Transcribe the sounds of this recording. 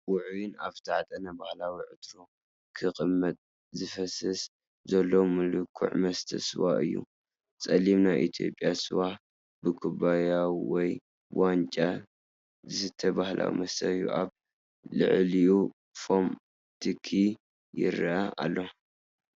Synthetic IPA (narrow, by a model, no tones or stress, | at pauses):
wʊʕjinaβt̪ʰaʕt̪ʼɐnɐbahlawiʕɨt̪ɾo | kʰɨkʼɨmːɐt̪ʼ | zɨfɐsɐs | zɐlːomɨlɨkʰṵʕmɐst̪ʰɐsɨwa̰ɨjːṵ | t͡sʼɐlimnajʔḭt̪ʰijo̞̰pʼjasɨwa | bɨkʰuβajawwɔj | want͡ʃʼa | zɨsɨt̪ʰːɐbahlʔa̰wḭmɐst̪ʰɐβjṵʔaβ | lɨ̰ʕliu | fom | t̪ʰɨkʰːi | jɪ̰ɾɐaa̰lːo